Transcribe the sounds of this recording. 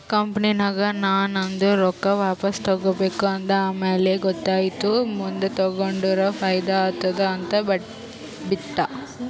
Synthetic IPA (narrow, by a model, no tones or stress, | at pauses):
kɐmpɐninaːɡɐnaːnɐnd̪uɾɔkːɐʋaːpɐst̪ɐɡobeːkuɐnd̪ɐaːmeːleɡɔt̪ːaːjit̪umund̪ut̪ɐɡoɳɖuɾɐfʰɐjd̪at̪ːɐd̪ɐːnt̪ɐbɐ | biʈ̪ːɐ